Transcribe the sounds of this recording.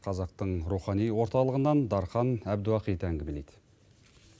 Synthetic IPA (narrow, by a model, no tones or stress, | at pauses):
qʰɑzɑq̚t̪əɴɾuχɑnijwo̞ɾt̪ɑlˠəʁənɑnd̪ɑɾχɑnæbd̪uɑqijt̪æŋɡʲɪme̞lejd̪ɪ̥